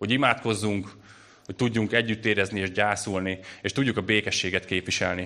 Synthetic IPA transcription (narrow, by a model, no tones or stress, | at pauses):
ho̞ɟimaːt̪ko̞zːuŋk | hoc̚t̪uɟːuŋkɛɟːyt̪ːeːɾɛznieːʒɟaːsulnieːʃt̪uɟːukɒbeːkɛʃːeːɡɛt̪keːpʋiʃɛlni